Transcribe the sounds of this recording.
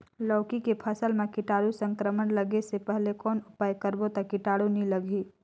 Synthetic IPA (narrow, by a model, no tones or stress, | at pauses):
lɔːkikepʰəsəlmẽkɪʈaːɽusə̃ŋkɾəmənləɡesepɛɦlekɔːnʊpaːjkəɾbot̪akɪʈaːɽuniləɡʱi